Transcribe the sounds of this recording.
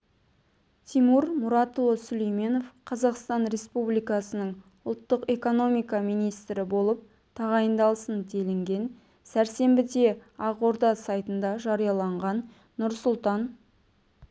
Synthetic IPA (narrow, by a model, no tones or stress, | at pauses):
t̪ʰijmuɾmʊɾɑt̪lˠosʏlejme̞no̞fqʰɑzɑqst̪ɑnɾe̞spublijkɑsənəɴ | ʊlˠt̪ːəqe̞ko̞no̞mijkɑmijnijst̪ɾɪbo̞lˠəp̚ | t̪ʰɑʁɑjənd̪ɑlˠəsənt̪ʰe̞lɪŋɡʲe̞n | sæɾse̞mbɪd̪eɑqo̞ɾd̪ɑsɑjt̪ənd̪ɑʒɑɾijɑlˠɑɴʁɑnː | ʊɾsʊlˠt̪ɑn